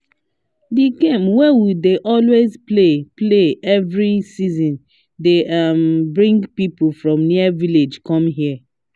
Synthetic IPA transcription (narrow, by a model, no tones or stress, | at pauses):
diɡẽmwɛwideʔɔlwezplepleɛvɹisizɔ̃n | deambɹĩŋɡpipofɹɔ̃mniaviled͡ʒkɔ̃mɦiə